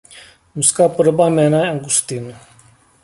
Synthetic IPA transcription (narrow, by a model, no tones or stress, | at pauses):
muskaːpəɾəbaːmeːnaːaŋɡust̪in